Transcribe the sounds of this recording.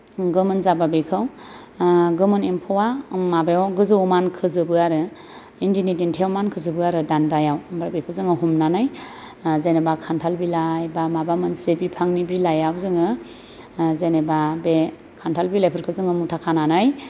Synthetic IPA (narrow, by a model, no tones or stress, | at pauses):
ɡɯmɯnzababekʰɯw | ɡɯmɯnempʰɔwamabajɡɯzɯwmankʰɯzɯbɯaɾɯ | indinidintʰeɔmankʰɯzɯbɯaɾɯdandajawmbɾabekʰɯwzɯŋɯɦumnanaj | zenebakʰantʰalbilajbamabamɯnsebipʰaŋnibilajawzɯŋɯ | zenebabe | kʰantʰalbilapʰɯɾkʰɯzɯŋɯmutʰakʰananaj